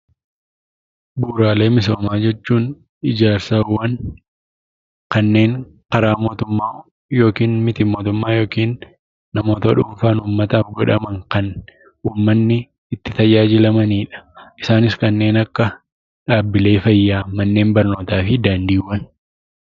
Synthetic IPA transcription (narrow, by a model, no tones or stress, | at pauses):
buːɾaːle̞ːmɪso̞ːmaːd͡ʒɛt͡ʃːuːn | ɪd͡ʒaːɾsawːɐn | kɐnːe̞ːŋ | kɐɾaːmo̞ːt̪ʊmːaː | jo̞ːkiːnmɪt̪ɪmo̞ːt̪ʊmːaːjo̞ːkiːnː | ɐmo̞ːt̪ɐᶑʊɱfaːnuːmːɐt̪ɐfɡɔᶑɐmɐŋkɐn | uːmːɐnːɪ | ɪt̪ːɪt̪ɐjaːd͡ʒɪlɐmɐniːᶑɐ̥ʔɪsaːnɪskɐnːe̞ːnɐkːɐ | ᶑaːbːɪle̞ːfɐjːaːmɐnːe̞ːmbɐɾno̞ːt̪aːfɪd̪aːnd̪iːwːɐn